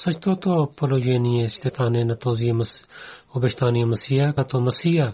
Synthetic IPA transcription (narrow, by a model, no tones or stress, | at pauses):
sɐt͡ʃʰt̪oːt̪opoloːd͡ʒeːnijẽst̪et̪aːnẽnɐt̪oːziemɐsobɐʃt̪aːniemɐsiːaɐt̪omɐsiːa